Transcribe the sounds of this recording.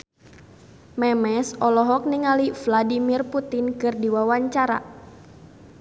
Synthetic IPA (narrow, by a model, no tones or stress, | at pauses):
mɛmɛsɔlɔɦɔk̚niŋalifladimirput̪inkɨrdiwawaɲt͡ʃaɾa̰